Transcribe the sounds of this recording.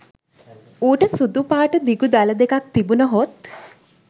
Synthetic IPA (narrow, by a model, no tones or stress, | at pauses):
uːʈəsud̪upaːʈəd̪iɡud̪aləd̪ekak̚t̪ibunəɦot̪